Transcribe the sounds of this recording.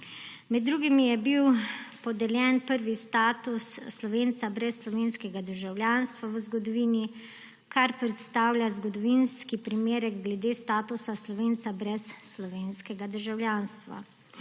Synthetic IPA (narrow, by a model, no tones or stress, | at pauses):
mɛd̪ːɾuːɡimijɛbiwpɔd̪ɛljɛːnpəɾʋist̪aːt̪usːlɔʋeːnt̪sabɾɛsːlɔʋeːnskɛɡad̪əɾʒawljaːnst̪ʋaʋəzɡɔd̪ɔʋiːni | kʰaɾpɾɛt̪st̪aːwljazɡɔd̪ɔʋinskipɾimeːɾɛɡɡlɛd̪eːst̪aːt̪usaslɔʋeːnt̪sabɾɛsːlɔʋeːnskɛɡad̪əɾʒawljaːnst̪ʋa̰